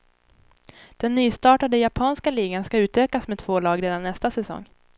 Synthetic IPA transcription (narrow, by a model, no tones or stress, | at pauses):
d̪̥ɛnːyːst̪ɑːʈad̪əjapʰɑːnskaliːɡanskaʉ̟ːt̪øːkasmet̪ʰvoːlɑːɡɾeːd̪anːɛst̪asɛsɔ̰ŋː